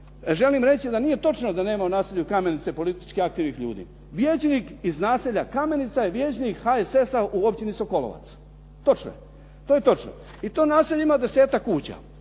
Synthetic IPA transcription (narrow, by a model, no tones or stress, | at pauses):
ʒe̞liːmɾe̞t͡ɕid̪anije̞t̪o̞t͡ʃnod̪ane̞ːmaonaːseʎukame̞nit̪se̞po̞lit̪i̥t͡ʃkiak̚t̪iːʋnixʎṵːd̪ḭ | ʋjeːt͡ɕniːkiznaːseʎakame̞nit̪sajeʋje̞ːt͡ɕniːkhaese̞sauo̞pt͡ɕinisoko̞lo̰ʋa̰t̪s | t̪o̞t͡ʃno̰e | t̪oːje̞t̪o̞t͡ʃno̰ | it̪o̞ːnaːseʎimaːd̪e̞se̞ːt̪akːuːt͡ɕa̰